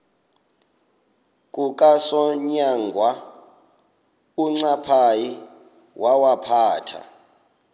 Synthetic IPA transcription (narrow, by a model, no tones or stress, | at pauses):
kʼukʼasɔɲaŋɡʱwa | uŋ͡ǀapʰaji | wʔawapʰaːtʰa̰